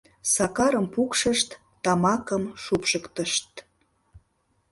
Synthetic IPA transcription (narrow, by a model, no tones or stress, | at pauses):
sɑkɑɾəmpukʃəʃt̪ːɑmɑkəmʃupʃəkt̪əʃt̪̚